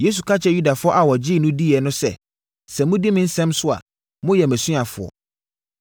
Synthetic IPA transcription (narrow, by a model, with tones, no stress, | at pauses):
je˦s̬u˨kʰa˦t͡ɕʰɛ˦ju˦da˨fʊ˦ɔ˦ʔa˨wɔ˨d͡ʑɪ˦˨nʊ̃˦di˦ɛ˨nʊ̃˦sɛ̰˦ | sɛ̃˨mʊ̃˦di˦mɪ̃˦n̩˦sɛ̃˦msʊ˦a̰˨ | mʊ̃˦jɛ˨mæ̃˨sũ˦a˨fʊ̰˨ɔ̰˨